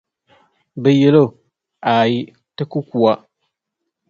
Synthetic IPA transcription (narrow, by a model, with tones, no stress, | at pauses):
bɛ˨jɛ˨lo˦˨ | a˨ji˦ | tɨ˦ku˦ku˨a˦